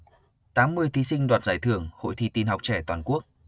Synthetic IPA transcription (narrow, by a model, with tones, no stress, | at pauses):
t̪aː˨˦mːɨ˧əjt̪ʰi˨˦sï˧ŋ̟ɗwaː˨˩tnzaː˧˩jt̪ʰɨ˧˩əŋho̰˧˨jt̪ʰi˧t̪i˧nɦa˨˩wk͡p̚t͡ɕɛ˧˩t̪waː˨˩nku˦˥ək̚